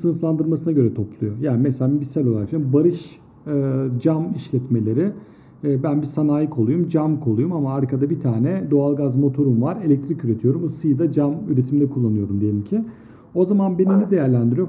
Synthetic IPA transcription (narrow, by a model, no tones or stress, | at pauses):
sɯnɯflˠand̪ɯɾmasɯnaɟø̞ɾɛt̪ʰo̞plˠujojaːnimɛselabisalʲo̞lˠafabaɾɯʃ | d͡ʒamiʃlʲɛt̪me̞lʲe̞ɾɪ | bænbisanaːjikʰo̞lˠujumd͡ʒamkʰo̞lˠujumamaːɾkʰad̪abit̪ʰaːnɛd̪o̞alˠɡazmo̞t̪ʰo̞ɾumvaɾe̞lʲɛc̚t̪ʰɾicyɾe̞t̪ʰijo̞ɾumɯsɯjɯd̪ad͡ʒamyɾet̪ʰimid̪ɛkʰulˠːanɯjo̞ɾumd̪ijelʲimcʰɪ | o̞zamanbeninid̪e̞jæɾlʲænd̪iɾijo